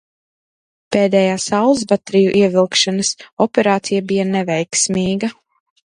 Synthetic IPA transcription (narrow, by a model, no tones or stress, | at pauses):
peːd̪ɛːjaːsawlˠzbat̪ɾijuʔiɛvilˠkʃanɐsɔpʲɛɾaːt̪sijabijanɛvɛjksmiːɡɐ